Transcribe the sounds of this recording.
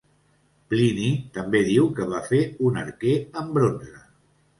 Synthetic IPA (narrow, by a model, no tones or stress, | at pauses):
plinit̪əmbeðiwkəβ̞afeunəɾkeəmbɾonzə